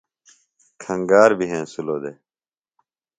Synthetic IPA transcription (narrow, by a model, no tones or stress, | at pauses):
kʰə̃ŋɡaːɾbʱiɦẽːsuloːd̪eː